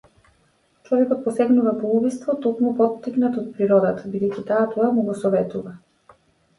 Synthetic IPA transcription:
t͡ʃɔvɛkɔt̪̚pɔsɛɡnuvapɔubist̪vɔt̪ɔkmupɔt̪ːiknat̪ɔt̪̚pɾiɾɔd̪at̪abid̪ɛjcʲit̪aːt̪ɔamuɡɔsɔvɛt̪uva

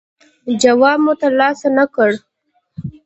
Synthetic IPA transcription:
d͡ʒawɑb̚mot̪alɑsanakəɽ

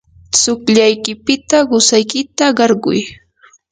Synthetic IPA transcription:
t͡sʊkʎajkɪpɪt̪aɢʊsajkɪt̪aɢɑɾɢʊ̰j

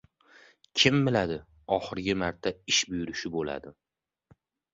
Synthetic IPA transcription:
kʲʰɪmːɪlad̪ɪ | ɒχɨɾɡʲɪmaɾt̪ʰaɪʃbʊjʊɾɪʃɪbola̰d̪ɪ

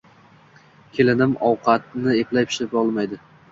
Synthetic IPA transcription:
kʲʰe̞lɪnɪmɒwqʰɑt̪nɪeplajpʰɪ̥ʃɪpɒlˠmajd̪ɪ

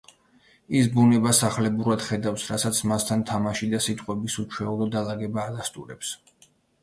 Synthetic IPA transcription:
isbunɛbasaχlɛbuɾad̪̥χɛd̪afsɾasat̪sʰmast̪ʰant̪ʰamaʃid̪asit̪ʼqʼwɛbisut͡ʃʰwɛulˠɔd̪alˠaɡɛbaːd̪ast̪ʼuɾɛps

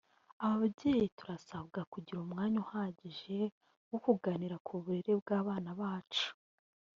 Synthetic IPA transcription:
aβaββɟeːjituɾasaβɡakuɟiɾumŋaːɲuhaːɟiʒe̞ | wokuɡaniɾakʰuβuɾeɾe̞bɡaːβaːnaβaːt͡ʃu̥

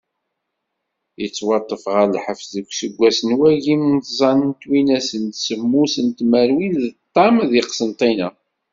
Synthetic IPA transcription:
jət͡sːwɑt̪ˤːəfʁəlħəfðəkʷːsəɡʷːæsənwæʝimnθzˤɑnənt̪winæsənt̪səmːusənt̪mæɾwinðət̪ˤːɑmðiqsənt̪ˤinæ̰

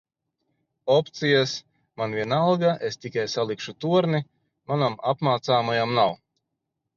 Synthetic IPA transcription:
ɔpt̪sijas | manvʲiɛnalˠɡaʔest̪ikajsalˠikʃut̪uɔɾni | manamapmaːt̪saːmajamnaw

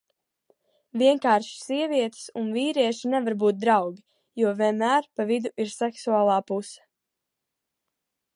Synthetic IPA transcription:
viɛŋkaːɾʃssiɛviɛt̪sunviːɾiɛʃinɛvaɾbuːt̪̚d̪ɾawɡʲi | juɔvʲiɛnmæːɾpavid̪uʔiɾsɛksuaːlˠaːpusɛ̥

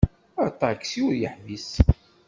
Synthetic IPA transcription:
ɑɾt̪ˤːɑkːsiʊɾjəħvis

